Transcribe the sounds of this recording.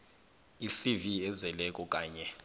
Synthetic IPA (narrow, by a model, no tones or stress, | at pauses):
isiviɛzɛlɛkʼɔk̬ʼaːɲɛ